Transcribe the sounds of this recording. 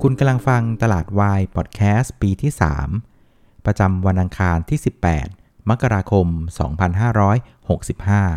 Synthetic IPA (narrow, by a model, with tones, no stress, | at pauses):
kʰu˧nka˧mla˧ŋfa˧ŋt̪a˧laː˨˩t̪̚waː˧jpʰɔ˨˩t̪̚kʰɛː˦˥spiː˧t̪ʰiː˥˩sa̰ː˩˦m | pɾa˧t͡ɕa˧mwa˧nʔa˧ŋkʰaː˧nt̪ʰiː˥˩si˨˩pːɛ̰ː˨˩t̪̚ | ma˦˥kːa˧ɾaː˧kʰo˧msɔ̰ː˩˦ŋpʰa˧nɦaː˥˩ɾɔː˦˥j | ho˨˩k̚si˨˩p̚haː˥˩